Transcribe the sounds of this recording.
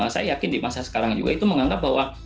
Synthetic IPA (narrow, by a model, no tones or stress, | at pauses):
asa̰jajakɪndimasasə̥kaɾaŋd͡ʒṵɡa̰it̪uməŋaŋɡap̚baɦwa